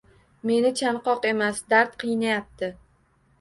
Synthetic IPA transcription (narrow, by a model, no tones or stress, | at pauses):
me̞nɪt͡ʃʰanqɒqe̞masd̪aɾt̪qʰɨjnajap̚t̪ɪ